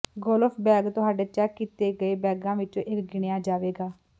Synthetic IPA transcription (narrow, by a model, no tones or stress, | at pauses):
ɡoːlpʰbɛːɡt̪ʊɦaːɖeːt͡ʃɛkːiːt̪eːɡəeːbɛːɡãːʋɪt͡ʃõːʔɪkɡɪɳɪjãːd͡ʒaːʋeːɡaː